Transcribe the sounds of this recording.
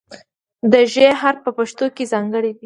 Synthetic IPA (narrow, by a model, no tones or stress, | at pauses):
d̪əʒeɦaɾpəpaʃt̪okezɑŋɡəɽid̪i